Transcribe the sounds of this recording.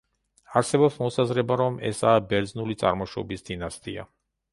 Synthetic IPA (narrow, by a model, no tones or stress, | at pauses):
aɾsɛbɔpsmɔsazɾɛbaɾɔmʔɛ̰saːbɛɾd̪znulit̪sʼa̰ɾmɔʃɔbisd̪̥inast̪ʼia̰